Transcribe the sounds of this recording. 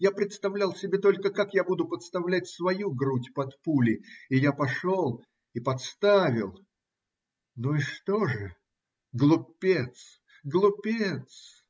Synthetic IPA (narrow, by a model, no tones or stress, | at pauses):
japɾʲɪt̪st̪ɐvlʲalˠsʲɪbʲe̞t̪o̞lʲkəkakjabud̪ʊpət̪st̪ɐvlʲætʲsvɐjuɡɾutʲpɐt̪pulʲɪɪjapɐʂolˠ | ipɐt̪st̪avʲɪlˠ | nuiʂt̪oʐɨ | ɡlˠʊpʲːet̪s | ɡlˠʊpʲet̪s